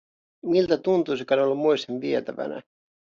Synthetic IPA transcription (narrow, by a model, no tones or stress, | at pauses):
milt̪æt̪unt̪usikɑnolːumoist̪enʋiet̪æʋæ̰næ̰